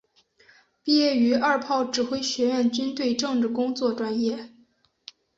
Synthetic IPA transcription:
pi˥˧jɛ˥˩y˧˥ɐ˞˥˧pʰɑ˥˩ʊʈ͡ʂɻ̩˨˩xwe˥ɪɕɥɛ˧˥ɥɛ˥˩nt͡ɕy˥nt̪we˥˧ɪʈ͡ʂɤ˥˧ŋʈ͡ʂɻ̩˥˩kʊ˥ŋt͡swɔ˥˩ʈ͡ʂwa˥njɛ˥˩

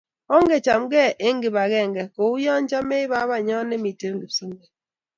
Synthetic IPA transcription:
ɔ˦ŋ˦ɡe˨t͡ʃa˨mɡɛ˦˨ʔe˦ŋ˦ɡi˨ba˨ɣɛ˦˨ŋɡɛ˨ko˨u˦jɔ˦n˦t͡ʃa˦me˦i˦βa˦βa˦ɲɔ˦ne˦mi˨te˦ɾ̩˦ɡi˨pso˦m˦bɛ˨

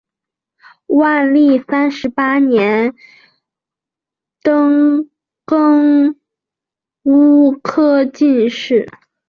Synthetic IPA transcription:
wa˥˧nli˥˩sa˥nʂɻ̩˧˥pa˥njɛ˧˥n | t̪ɤ˥ŋ | kɤ˥ŋ | u˥kʰɤ˥t͡ɕi˥˧nʂɻ̩˥˩

